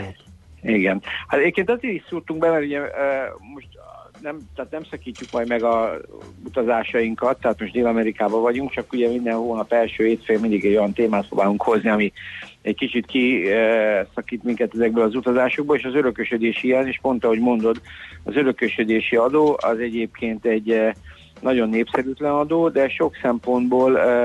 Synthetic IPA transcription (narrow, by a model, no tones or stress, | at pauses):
iɡɛnhat̪ɛɟeːpkeːnt̪ɒzeːɾisurt̪uŋɡbɛmɛɾuɟɛmo̞ʃt̪nɛmt̪ɛːt̪nɛmsɒkiːcːukmɒjd̪mɛɡɒut̪ɒzaːʃɒjiŋkɒt̪ːɛɦaːt̪mo̞ʃtd̪eːlɒmɛɾikaːbɒvɒɟuŋkt͡ʃɒkuɟɛmind̪ɛnhoːnɒpɛlʃøːheːt̪feːlmind̪iɡɛɟo̞jɒnt̪eːmaːt̪̚pro̰ːbaːluŋkho̞zniɒmiɛckit͡ʃit̪ki | sɒkiːt̪miŋkɛt̪ɛzɛɡ̚bøːlɒzut̪ɒzaːʃo̞ɡ̚boleːʃɒzøɾø̞køʃød̪eːʃijɛneːʃpo̞nt̪ɒho̞ɟmo̞nd̪o̞d̪ɒzø̞ɾø̞køʃød̪eːʃiɒd̪oːɒ̰zɛɟeːp̚kʰeːnt̪ɛɟː | nɒɟo̞nːeːpsɛɾyːt̪lɛnɒd̪oːd̪ɛʃo̞ksɛmpo̞nd̪boːl